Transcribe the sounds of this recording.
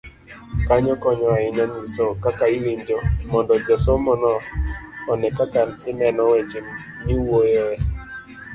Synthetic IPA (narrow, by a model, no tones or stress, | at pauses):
kaɲɔkɔɲɔaɪɲɔnɪsokakailiɲd͡ʒɔmɔndɔd͡ʒɔsɔmɔnɔː | nɛkakanɪnɛnɔwet͡ʃim | ɲiwojɛ